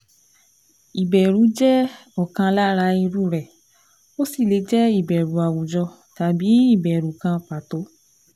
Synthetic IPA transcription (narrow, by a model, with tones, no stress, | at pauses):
i˨bɛ˨ɾũ˨˦d͡ʒɛ˦ɔ˦˨kã˧la˦ɾa˧i˧ɾu˦˨ɾɛ˨ | o˦si˦˨le˨˦d͡ʒɛ˦i˦˨bɛ˨ɾu˨a˨wu˨d͡ʒɔ˧ | ta˨bi˨˦i˦˨bɛ˨ɾu˨˦kã˧pa˨to˨˦